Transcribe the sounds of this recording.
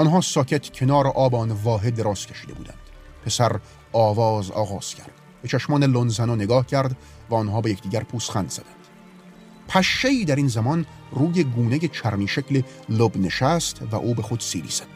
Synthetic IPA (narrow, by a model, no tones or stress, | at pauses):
ʔɒnɦɒːsɒːcʰet̪ʰcʰe̞nɒːɾeʔɒːbɒnvɒːɦe̞d̪ːeɾɒːscʰeʃiːd̪ebṵːd̪æ̰nd̪̥ | pʰe̞sæɾ | ɒːvɒːzɒ̰ːɣɒːz̥cʰæɾd̪̥ | b̥et͡ʃʰæʃmɒːnelonzænɒːne̞ɡɒːhcʰæɾd̪ | væɒːnɦɒːbejecʰd̪iːɟʲæɾpʰuːsχænd̪z̥æd̪ænd̪̥ | pʰæʃːeiːd̪æɾinzæmɒːn | ruːjeɡuːnejet͡ʃʰæɾmiːʃecʰlelobne̞ʃæst̪væ̰ʔuːbe̞xod̪̥siːɾḭːz̥æd̪d̥